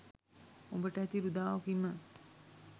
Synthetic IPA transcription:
o̰mbəʈəæt̪iɾud̪aːʋakimə

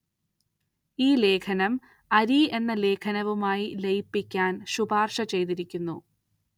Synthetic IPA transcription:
iːle̞ːkʰɐnɐm | ɐɾie̞nːɐle̞ːkʰɐnɐʋumaːjilejpːikʲːaːnɕubaːrʂɐt͡ɕe̞jt̪iɾikʲːunːu

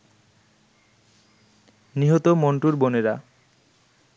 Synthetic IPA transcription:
niɦot̪omoɳʈuɾboneɾa

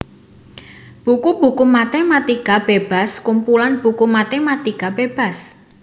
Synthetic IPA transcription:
b̥ukub̥ukumat̪ɛmat̪ikab̥eb̥a̤skumpulanb̥ukumat̪ɛmat̪ikab̥eb̥a̤s

